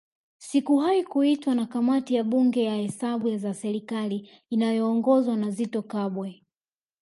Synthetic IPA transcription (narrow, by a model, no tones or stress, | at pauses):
sikuɦaikuitwanakamatijaɓuŋɡɛjahɛsaɓujazasɛɾikaliː | najɔːŋɡɔzwanazitɔkaɓwɛ